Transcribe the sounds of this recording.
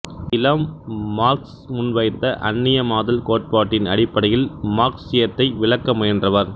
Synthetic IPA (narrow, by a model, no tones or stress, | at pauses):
ɪlɐmːaːɾks | mʊnʋɐɪt̪ːɐʔɐnːɪjɐmaːðɐlkoːʈ̚paːʈːɪnɐɽɪpːɐɽɐjɪlmaːɾksɪjɐt̪ːɐɪʋɪɭɐkːɐmʊjɐndrɐʋɐɾ